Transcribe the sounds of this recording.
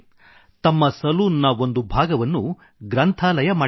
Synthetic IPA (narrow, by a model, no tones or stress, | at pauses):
t̪ɐmːɐsɐluːnːɐo̞nd̪ubʱaːɡɐʋɐnːu | ɡɾɐnt̪ʰaːlɐjɐmaː